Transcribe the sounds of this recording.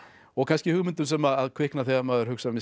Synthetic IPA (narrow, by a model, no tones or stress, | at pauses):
ɔɣkʰanscɪhʏɣmʏnt̪ʏmsɛmaðaðkʰɪhknaθɛɣamaːðʏɾ̥hʏksamɪ